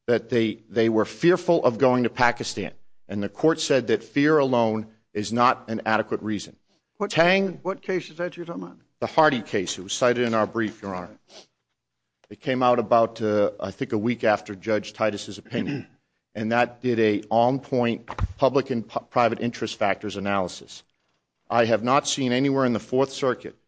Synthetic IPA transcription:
ðɨt̪̚ðeɪðeɪwə˞fɪɹfl̩ˠʔʌvɡoʊɪ̃ŋtɨpʰækɨstæ̰̃nɨ̃nðɨkʰɔɹtsɛd̪̚ðɨtfɪɹəlõʊ̃n | ɨznəɾɨ̃næɾɨkwət̚ɹizɨ̃n | tʰæ̃ŋwʌt̚kʰeɪsɨzatɨɾ | ðəhɑɹɾikʰeɪsɨwʌz̥saɪɾɨɾɨ̃naʊə˞bɹifjɪɹɑ̃n | ɨt̚kʰẽɪ̃maʊɾəbaʊtɨa̰ɪθɪ̃ŋkəwikæftə˞d͡ʒʌ̥d͡ʒ̥tʰaɪɾɨsɨzɨpʰɪ̃njɨ̃n | ʔɨ̃nðət̚d̥ɪɾɨɑ̃npʰɔ̃ɪ̃npʰʌbləkɨ̃npʰɹ̥aɪvɨɾʔɪ̃nt͡ʃɹ̥ɨstfæk̚tə˞zɨnælˠəsɨ̰s | ʔaɪɨvnətsĩnɛniwɛɹɨ̃nðəfɔɹθsɜ˞kɨ̰t̚

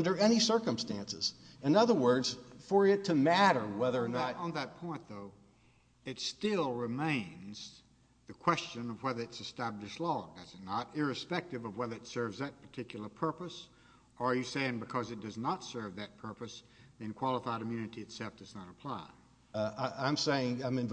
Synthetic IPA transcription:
ʌ̃ndə˞ɛñisɜ˞kə̃mstæ̃nsɨ̰zɨ̃nʌðə˞wɜ˞dz̥fə˞ɪtʰɨmæɾə˞wɛðə˞ːnə̃nðɨt̚pʰɔ̃ɪ̃nðoʊ | ɨtstɪlˠɹɨmẽɪ̃nz̥ | ðɨkʰw̥ɛst͡ʃɨ̃nʌvwɛðə˞ɨtsɨstæblɨʃˡlɔdʌzɨtⁿnəɾɪɹɨspɛk̚tɨvʌvwɛðə˞ɨtsɜ˞vzðɨt̚pʰə˞tʰɪkjl̩ˠə˞pʰɜ˞pɨs | ə˞jɨseɪɪ̃ŋbɨkʰʌzɨt̚d̥ʌznətsɜ˞vðɨt̚pʰɜ˞pɨs | ðiɨ̃nkʰw̥ɑlˠəfaɪɾɨmjʉnɨɾiɨtsɛlˠfd̥ʌznəɾəpʰl̥aɪ | ãɪ̃mseɪɪ̃ŋãɪ̃mɨ̃n

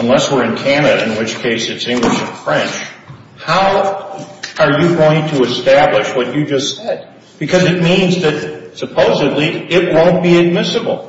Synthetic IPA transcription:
ə̃nlɛswɪɹɨ̃nkʰænɨɾɨɨ̃nwɨt͡ʃkʰeɪsɨtsɪ̃ŋɡlɨʃɨ̃nfɹɛ̃nt͡ʃ | haʊ | ə˞jɨɡoʊɪ̃ŋtʰɨɨstæblɨʃwʌt͡ʃɨd͡ʒʌstsɛd̚ | b̥ɨkʰʌzɨt̚mĩnzðɨt̚sɨpʰoʊzɨdˡliɪt̚wõʊ̃nb̥iɨd̚mɪsɨbl̩ˠ

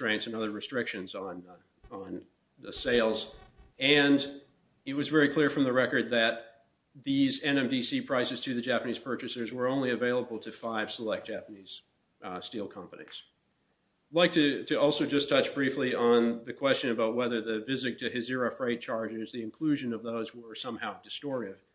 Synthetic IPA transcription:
tɹ̥ẽɪ̃ntsɨ̃nʌðə˞ɹɨstɹ̥ɪkʃɨ̃nzn̩ | ə̃n | ðɨseɪlˠzɨ̃n | ɨt̚wʌzvɛɹikʰl̥ɪɹfɹʌ̃mðəɹɛkə˞d̪̚ðɨt̪̚ | ðizɛ̃nɛ̃mdisipʰɹ̥aɪsɨz̥tʰɨðɨd͡ʒæpəniz̥pʰɜ˞t͡ʃɨsə˞zwə˞õʊ̃nliɨveɪlˠəbl̩ˠtʰɨfaɪv̥səlɛk̚d̥ʒ̥æpəniz̥ | stilˠkʰʌ̃mpənḭz̥ | dlaɪk̚tʰɨɾɨɔlˠsoʊd͡ʒʌstʰʌt͡ʃb̥ɹifliə̃nðɨkʰw̥ɛst͡ʃɨ̃nɨbaʊt̚wɛðə˞ðɨvɪzɨɡ̚tʰɨɦɨzɪɹɨfɹeɪd̚t͡ʃʰɑɹd͡ʒɪzðiɨ̃nkʰl̥ʉʒɨ̃nʌvðoʊzwə˞sʌ̃mhaʊdɨstɔɹɾɪv̥

